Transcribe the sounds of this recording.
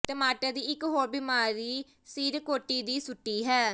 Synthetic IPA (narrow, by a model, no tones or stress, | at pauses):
ʈəmaːʈaːd̪iːɪkɦoːɾbɪmaːɾiː | siːɾkoːʈːiːd̪iːsʊʈːiːɦɛː